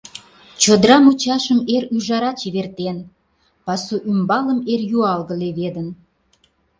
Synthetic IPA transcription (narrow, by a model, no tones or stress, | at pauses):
t͡ɕod̪ɾɑmut͡ɕɑʃəmeɾyʒɑɾɑt͡ɕiβert̪en | pɑsuʔymbɑləmerjuɑlɣəleβed̪ən